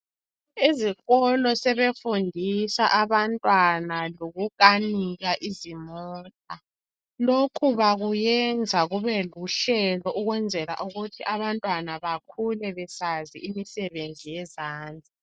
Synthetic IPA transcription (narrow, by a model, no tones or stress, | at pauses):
iziɣɔlɔsɛβefundʱisaʔaβantʼwanaloɣuk̬ʼaniɣaʔizimɔːtʼa | lokʰuβaɣujɛnd͡zʱaɣuβɛluɬɛlɔʔuɣwɛnd͡zʱɛla̰ʔuɣutʰiʔaβantʼwanaβakʰulɛβɛsaziimisɛβend͡zʱijɛzaːnd͡zʱi